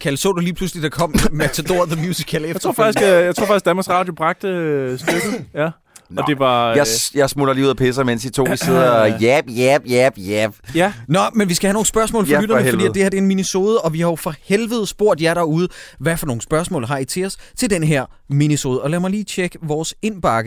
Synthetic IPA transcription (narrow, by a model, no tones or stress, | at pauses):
kʰælsɔ̰̽ːd̥uliːpʰluslid̥ɑ̈kʰɒ̽m̰mæt͡sʰæd̥o̝ɐðəmjusikʰæle̥o̰faɡ̥i̥jaɪt͡sʰo̝ɐfɑɡ̥isɡ̥̚d̥ænmɑsʁɑ̈ːdjob̥ʁɑ̈ɡ̥̚d̥əsd̥øɡ̥ð̩ˠjæ | ɒd̥e̝ʋɑ̈jajɑ̈ɪsmulɐliuðˠɐpʰes̬ɐmensd̥it͡sʰo̝̰ːʋiseð̰ˠɐjæb̥jæb̥jɛb̥jæb̥jænɒmenʋisɡ̥æhæno̝ːŋ̩sb̥ɶɐsmɔ̰lfɒyɾ̥ɐnfddḭːd̥e̝heɐd̥e̝enminəso̝ːð̞ˠəɒ̽ʋihɑ̈jo̝fɒ̽helʋəð̞̩ˠsb̥o̝ɐ̰d̥jɑ̈ɪɾɑ̈uːð̞̩ˠʋæfɒ̽no̝ːŋ̩sb̥ɶɐsmɔ̰̽ːlɦɑ̈it͡sʰe̝ɒst͡sʰe̝ld̥enəɦeɐ̰minəso̝ːðˠəɒ̽læɐmɑ̈ɪliːt͡ɕʰeɡ̥əʋɒːse̝nb̥ɑ̈ɡ̥ə